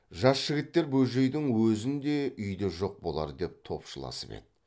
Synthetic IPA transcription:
ʒɑsʃɪɡʲɪt̪ːe̞ɾbɵlʒe̞jd̪ɪŋwɵzɪnd̪e̞ʔʏjd̪eʒo̞q̚bo̞lˠɑ̰ɾd̪e̞p̚t̪ʰo̞̰pʃəlˠɑ̰səpḛt̪

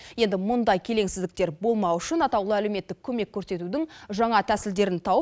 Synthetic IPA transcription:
je̞nd̪ɪmʊnd̪ɑjkʲʰe̞le̞ŋsɪzd̪ɪk̚t̪e̞ɾbo̞lˠmɑwʏʃənɑt̪ɑwlˠəælewme̞t̪ːɪkʲʰɵme̞kʲʰːɵɾse̞t̪ud̪ɪŋʒɑɴɑt̪ʰæsɪld̪e̞ɾɪnt̪ʰɑwə

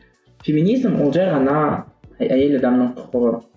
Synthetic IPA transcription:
fʲemʲinʲizmwolˠʒɑjʁɑnɑ | æjelɑd̪ɑmnəɴt̪ʰʊ̥qəʁə

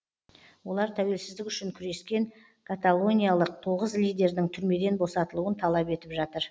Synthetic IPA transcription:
wo̞lˠɑɾt̪ʰæwe̞lsɪzd̪ɪkʲʏʃɪŋkʲʰʏɾe̞skʲe̞ŋ | kʰat̪alˠo̞nʲijalˠəq̚t̪ʰo̞ʁəzlijd̪ʲe̞ɾd̪ɪŋt̪ʰʏɾme̞d̪e̞nbo̞sɑt̪əlˠuənt̪ʰɑlˠɑpe̞t̪ɪpʒɑt̪əɾ

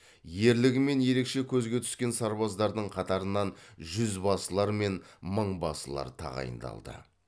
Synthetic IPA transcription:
je̞ɾlɪɡʲɪme̞nje̞ɾe̞kʃe̞kʲʰɵzɡʲe̞t̪ʰʏ̥skʲe̞nsɑɾbɑzd̪ɑɾd̪əɴqʰɑt̪ɑɾənɑnʒʏzbɑsəlˠɑɾme̞nməɴbɑsəlˠɑ̰ɾt̪ʰɑ̰ʁɑ̰jə̰nd̪ɑ̰lˠd̪ə̰

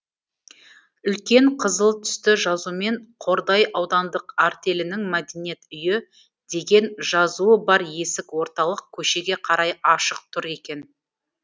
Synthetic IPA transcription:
ʏlkʲe̞ɴqʰəzəlˠt̪ʰʏ̥st̪ɪʒɑzume̞ɴqʰo̞ɾd̪ɑjʔɑwd̪ɑnd̪əqaɾt̪e̞lɪnɪŋmæd̪e̞nije̞t̪ʏjɪ | d̪̥e̞ɡʲe̞nʒɑzuəbɑɾje̞sɪkwo̞ɾt̪ɑlˠəq̚kʲʰɵʃe̞ɡʲe̞qʰɑɾɑjɑʃəq̚t̪ʰʊɾe̞kʲe̞n

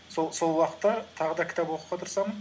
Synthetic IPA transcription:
soso̞lˠwɑqə̥t̪ːɑt̪ʰɑʁəd̪ɑkʲɪ̥t̪ɑpwo̞quʁɑt̪ʰʊɾsɑmən

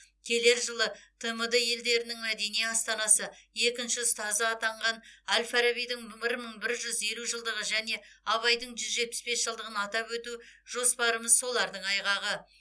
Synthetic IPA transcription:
kʲʰe̞le̞ɾʒəlˠət̪ʰəməd̪əje̞ld̪e̞ɾɪnɪŋmæd̪e̞nijɑst̪ɑnɑsəje̞kʲɪnʃɪst̪ɑzːt̪ɑɴʁɑnælfaɾaβijd̪ɪŋmɪɾməɴbɪɾʒʏze̞luʒəlˠd̪əʁəʒæne̞ɑβɑjd̪əɴʒʏzʒe̞t̪̚pɪ̥sbe̞sʒ̥əlˠd̪əʁənɑt̪ɑpwɵt̪uʒo̞spɑɾəməzso̞lˠɑɾd̪əɴɑjʁɑʁə

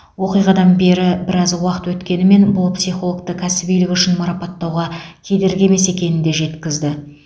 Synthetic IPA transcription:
wo̞qijʁɑd̪ɑnbe̞ɾɪbɪɾɑzwɑqət̪wɵt̪kʲe̞nɪme̞nbʊlˠpsijχo̞lˠəkt̪əkʲʰæsɪbijlɪkʏʃɪnmɑɾɑpɑt̪ːɑwʁɑkʲʰe̞d̪e̞ɾɡʲeme̞se̞kʲe̞nɪnd̪e̞ʒe̞t̪kʲɪzd̪ɪ

